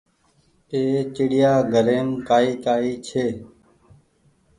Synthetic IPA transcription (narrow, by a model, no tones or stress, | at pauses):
eːt͡ʃɪɽɪjaːɡʱəɾeːmkaːiːkaːiːt͡ʃʰeː